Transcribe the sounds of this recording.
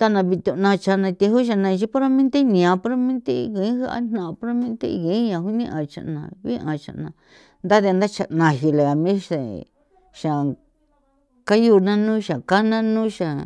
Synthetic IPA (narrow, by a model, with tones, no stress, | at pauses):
t̪a˦nã˧βi˧t̪u˧nã˧t͡ʃa˧nã˧t̪i˧ɦu˦ʃ̬a˧nã˧t͡ʃi˦po˦ɾo˦mẽ˦nt̪e˦nĩ˨ã˧po˦ɾo˦mẽ˦nt̪e˦˧ɣe˨˦ha˦a̰˦n̥ã˧˨˧po˦ɾo˦mẽ˦nt̪ḛ˦˧ɣe˨˦ɲã˧ɦu˦nĩ˦ʔã˨t͡ʃa̰˧˨nã̰˨˧βi˦ʔã˨˧t͡ʃa̰˧ʔnã˧ | nd̪a˦ðnd̪a˦t͡ʃa˧ʔnã˧ɦi˧le˨a˨mĩ˦ʃe˨ | ʃa˨ | ka˦ju˧nã˦nũː˦ʃa˨ka˦nã˦nũː˦ʃa˨